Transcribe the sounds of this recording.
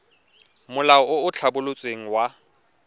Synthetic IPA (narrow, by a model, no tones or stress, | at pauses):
mʊlaɔʊʊt͡ɬʰabʊlʊt͡sʼweŋ̩wa